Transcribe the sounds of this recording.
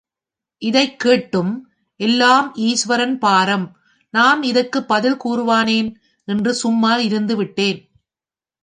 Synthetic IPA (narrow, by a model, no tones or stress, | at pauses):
ʔɪðɐɪkːeːʈːɯm | ʔɛlːaːmiːsʋɐɾɐnpaːɾɐm | naːmɪðɐkːɯpːɐðɪlkuːɾɯʋaːneːn | ɛndrɯsʊmːaːlɪɾɯnd̪ɯʋɪʈːeːn